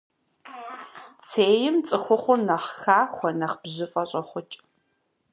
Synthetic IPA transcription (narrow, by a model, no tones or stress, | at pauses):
t͡sʰeːjɪmt͡sʼɨxʷʊχʷʊrnɐχxaːxʷɔnɐχbʑɪfʼɐɕʼɐχʷʊt͡ʃʼ